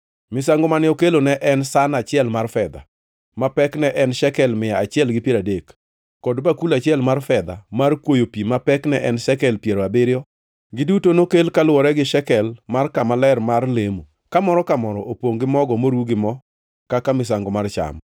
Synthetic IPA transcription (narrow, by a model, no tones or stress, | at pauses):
mɪsaŋɡomanɪokelonɛʔɛnsanat͡ʃɪɛlmarfɛd̪a̰ | mapɛknɛʔɛnʃɛkɛlmɪjaat͡ʃɪɛlɡɪpjeɾadekː | ɔdbakulat͡ʃɪɛlmarfɛd̪a̰markwojopimapɛknɛʔɛnʃɛkɛlpjeɾoabɪɾjɔ | ɡɪdutonokelkalwɔɾɛɡɪʃɛkɛlmarkamalɛrmarlemu | kamɔɾɔkamɔɾɔʔopwoŋɡɪmɔɡɔmoɾwuɡɪmɔ | kakamɪs̬aŋɡɔmart͡ʃa̰m